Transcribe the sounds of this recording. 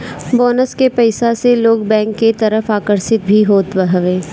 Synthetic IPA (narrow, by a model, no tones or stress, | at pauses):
bɔːnəskepɛɪsaseloːɡbɛ̃ːŋkːet̪ɐɾəfaːkəɾsɪt̪̚bʱiɦoːt̪bəɦʋẽː